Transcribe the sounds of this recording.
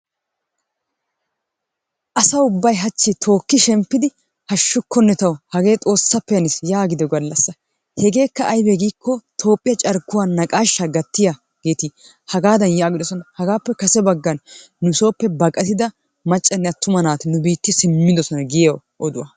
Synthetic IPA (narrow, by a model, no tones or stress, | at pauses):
ʔɐsɐʊbːɐjɦɐt͡ʃːɪt̪ʰo̞ːkːɪʃɛmpːɪd̪ɪ | hɐʃːʊkːɔnːɛt̪ɐwhɐɡe̞ːt̪ʼo̞ːsːɐpːɛjɐnɪsjaːɡɪd̪ɛɡɐlːɐsːɐ | hɛɡe̞ːkːɐʔːjbɛɡiːkːɔt̪ʰo̞ːpʼːɪjɐt͡ʃʼɐɾkːʊwaːnːɐkʼaːʃːɐɡɐt̪ːɪja | ɡ̥eːt̪i | hɐɡaːd̪ɐnjaːɡɪd̪ɔsɔnɐhɐɡaːpːɛkɐsɛbɐɡːɐnː | ʊɪso̞ːpːɛbɐkʼɐt̪ɪd̪ɐ | mɐt͡ʃʼːɐnːɛɐt̪ːʊmɐnaːt̪ɪnʊbiːt̪ːɪsɪmːɪd̪ɔsɔnɐɡɪjɐw | ʔɔd̪ʊwɐ̰